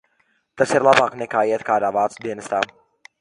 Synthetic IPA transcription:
t̪asiɾlˠabaːknɛkaːiɛt̪kaːd̪aːvaːt̪sud̪iɛnɐst̪aː

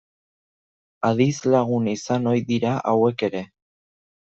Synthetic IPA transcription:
aðizlaɣ̞unisano̞jðiɾaʔawe̞ke̞ɾe̞

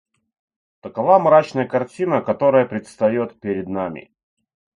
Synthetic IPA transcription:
t̪əkɐvamɾat͡ɕnəjəkɐrt͡sʲinəkɐt̪o̞ɾəjəpɾʲɪt̪st̪ɐjot̪pʲɪɾʲɪd̪namʲɪ̰

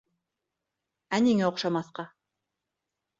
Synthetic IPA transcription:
æniŋæŏqʃɑmɑθqɑ

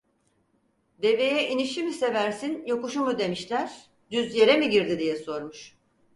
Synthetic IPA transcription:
d̪e̞ve̞jɛʔiniʃimisevæɾsinjo̞kuʃumud̪e̞miʃlʲæɾ̥ | d̪̥yzje̞ɾemiɟiɾd̪id̪ijɛso̞ɾmuʃ

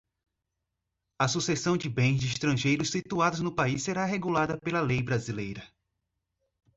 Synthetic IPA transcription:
ɐsusesɐ̃w̃d͡ʒɪbẽj̃zd͡ʒɪist̪ɾɐ̃ʒejɾʊssit̪uad̪ʊznʊpaisːeɾaɦeɡulad̪ɐpelɐlejbɾazilejɾɐ

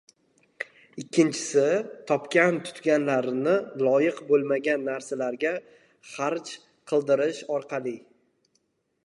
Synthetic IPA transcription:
ɪkʲʰːɪnt͡ʃʰɪ̥sɪt̪ʰɒpkʲant̪ʰʊ̥t̪ɡʲanlaɾnɪlˠɒjɪqbolˠmaɡʲanːaɾsalaɾɡʲa | χaɾt͡ʃ | qʰɨlˠd̪ɪɾɪʃɒɾqʰɑlɪ

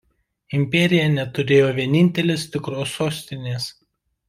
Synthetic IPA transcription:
ɪmʲpʲɛɾʲɪjɛnʲɛt̪ʊɾʲeːjoːʋʲiɛnʲɪnʲt̪ʲɛlʲeːst̪ʲɪkɾoːsoːsʲt̪ʲɪnʲeːs

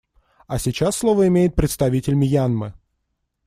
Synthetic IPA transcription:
ɐsʲɪt͡ɕasːlˠovəɪmʲejɪt̪̚pɾʲɪt̪st̪ɐvʲitʲɪlʲmʲɪjanmɨ

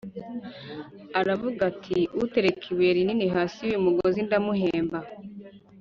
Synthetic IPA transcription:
aɾavuɡatʰiute̞ɾekʰiweɾininiɦaːsijuumuɡozindamuɦeːmba

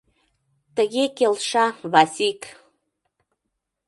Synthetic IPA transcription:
t̪əɣekelʃɑβɑsʲik

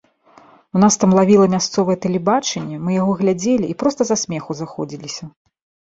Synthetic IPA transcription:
unast̪amlˠavʲilˠɐmʲast̪sɔvɐjɛt̪ɐlʲɛbat͡ʂɛnʲːɛmɨjaɣɔɣlʲad͡zʲelʲiʔːpɾɔst̪ɐzasʲmʲɛxuzaxɔd͡zʲilʲisʲɐ

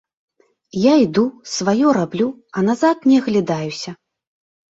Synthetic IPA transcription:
jaid̪usvajɔɾablʲu | ɐnazat̪̚nʲɛɣlʲad̪ajusʲɐ

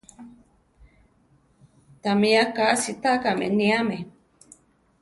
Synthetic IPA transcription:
t̪amiakasit̪akamḛniame

